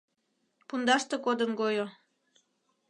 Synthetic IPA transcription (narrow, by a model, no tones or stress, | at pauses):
pund̪ɑʃt̪ekod̪ənɡojo